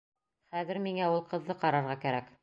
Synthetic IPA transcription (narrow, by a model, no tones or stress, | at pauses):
χæðɘɾmiŋæulˠqɤ̆ðːɤqɑɾɑɾʁɑkæɾæk